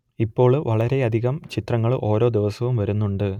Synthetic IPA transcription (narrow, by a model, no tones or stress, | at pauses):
ipːo̞ːɭʋɐɭɐɾe̞ɐd̪ʱiɣɐmt͡ɕit̪rɐŋːɐɭʔo̞ːɾo̞ːd̪iʋɐsɐʋumʋɐɾunːuɳɖɨ